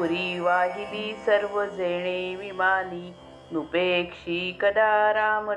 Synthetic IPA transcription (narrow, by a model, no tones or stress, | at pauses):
uɾiʋaːɦid̪iːsɐɾʋəd͡zejɳ̃eːʋimaːniː | nupeːkʂiːkɐd̪aːɾaːmɐ